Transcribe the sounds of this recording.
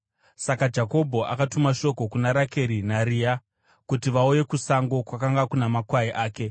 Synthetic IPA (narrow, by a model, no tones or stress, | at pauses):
sakad͡ʒako̞bʱo̞ʔa̰katumaʃo̞ko̞kunaɾake̞ɾinaɾiːa | kutiʋauje̞kusaŋɡo̞kwakaŋɡakunamakwaiʔaːke̞